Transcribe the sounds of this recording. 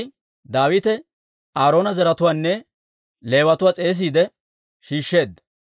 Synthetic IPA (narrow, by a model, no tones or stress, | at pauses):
j | d̪aːwɪt̪ɛ | ʔaːɾo̞ːnɐzɛɾɐt̪ʊwaːnːɛ | le̞ːwɐt̪ʊwaːt͡sʼe̞ːs̬iːd̪ɛ | ʃiːʃːe̞ːd̪ːɐ